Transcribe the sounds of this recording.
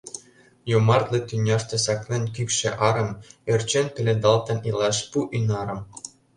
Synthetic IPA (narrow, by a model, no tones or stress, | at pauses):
jomɑrt̪lɤ̆t̪ynʲɑʃt̪ĕsɑklʲenʲkʲykʃĕʔɑɾɤ̆merʲt͡ɕenʲpʲĕlʲed̪ɑlt̪ɤ̆nilˠɑʃpuʔynɑɾɤ̆m